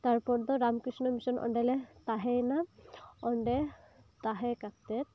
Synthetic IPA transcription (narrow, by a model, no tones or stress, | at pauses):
t̪aɹpɔɹd̪ɔɾamkisnɔmisɔnʔɔ̰ɳɖɛlɛt̪aɦɛjnaɔɳɖɛ | t̪aɦɛkat̪ɛt̪̚